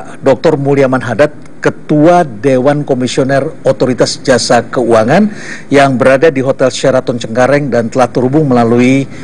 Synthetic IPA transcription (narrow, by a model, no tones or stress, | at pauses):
dɔk̚t̪ɔrmuliamanɦadat̪̚ | kət̪uadewankomisionɛrot̪oɾit̪asd͡ʒasakəuaŋan | jaŋbəɾadadiɦot̪ɛlʃaɾat̪ɔnt͡ʃəŋkaɾɛŋdant̪əlaht̪əɦubʊŋməlalui